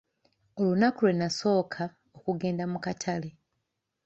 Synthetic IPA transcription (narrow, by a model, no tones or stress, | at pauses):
olunakulwe̞naso̞ːkʰa | okuɡe̞ːndamukatʰale̞